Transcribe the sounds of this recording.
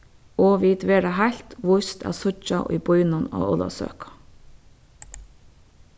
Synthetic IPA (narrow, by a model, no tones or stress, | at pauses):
oːʋiːt̪ʋeːɖɑhæɬt̪ʋʊst̪æ̰ːsʊt͡ʃɑʔʔiːbɔʏnɑno̰ːɔlɑ̰sø̰ːkʰɑ̥